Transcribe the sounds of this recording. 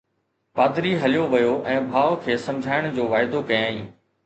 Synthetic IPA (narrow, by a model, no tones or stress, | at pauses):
paːd̪ɾiɦɐlijoʋɐjoʔɛ̃ːbʱaːʋkʰeːsɐ̃md͡ʑʱaːɪɽ̃d͡ʑoːʋaːɪd̪okɐjãːĩː